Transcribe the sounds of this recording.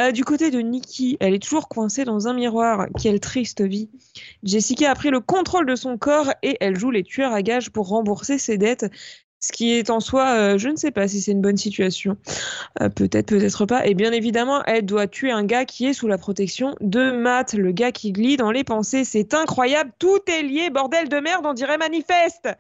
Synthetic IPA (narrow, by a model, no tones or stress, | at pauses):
d̪ykot̪ed̪ənikʲʰiɛlɛt̪uʒuʁkwɛ̃sed̪ɑ̃zɛ̃miʁwaʁkʲɛlt̪χist̪əvid͡ʒesikʲapχiləkɔ̃t̪χold̪əsɔ̃kɔːʁeʔɛlʒulet̪ɥœʁaɡaʒpuʁːɑ̃buʁsesed̪ɛt̪ | sə̥kʲiɛt̪ɑ̃swaøʒənəsɛpas̬isɛt̪ynbɔnsit̪ɥasjɔ̰̃ | pøt̪ɛt̪χpøt̪ɛt̪χəpaʔebjɛ̃nevid̪amɑ̃ʔɛld̪wat̪ʰɥeɛ̃ɡakʲʰiɛsulapχɔt̪ɛksjɔ̃d̪əmat̪ləɡakʲʰiɡlid̪ɑ̃lepɑ̃sesɛt̪ɛ̃kχwajablt̪ut̪ɛljebɔʁd̪ɛld̪əmɛʁd̪ɑ̃d̪iʁɛmanifɛst̪